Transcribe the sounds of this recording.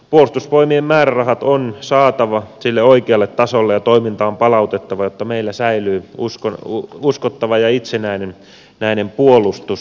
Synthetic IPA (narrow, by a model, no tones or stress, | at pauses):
puolust̪uspoimiemmæːrærɑhɑt̪onsɑːt̪ɑʋɑsilːeoikeɑlːet̪tɑsolːejɑt̪oimint̪ɑompɑlɑut̪et̪ːɑʋɑjot̪ːɑmeilːæsæilyːuskouskot̪ːɑʋɑjɑit̪senæinen | næinempuolˑust̪us